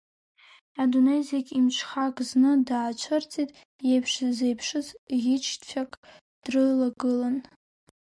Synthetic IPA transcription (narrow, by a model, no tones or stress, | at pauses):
adonejzekʲʼimt͡ʃʷʰχakʼznɨdaːt͡ʃʷʰɨrt͡sʼitʼ | jejpʰʂzejpʰʂɨzjʲɪt͡ʃʰtfʰʲakʼ | d̥rɨlaɡɨlan